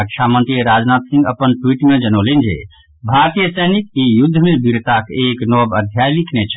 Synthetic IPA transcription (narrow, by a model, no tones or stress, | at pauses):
əkt͡ʃʰamənt̪ɾiɾad͡ʒnat̪sĩŋɡəpənʈwiʈmed͡ʒənolend͡ʒḛ | bʱaɾt̪ijəsəjnikijud̪ʱːəmebiɾt̪akeknɔbəd̪ʱjajlikʰnet͡ʃʰ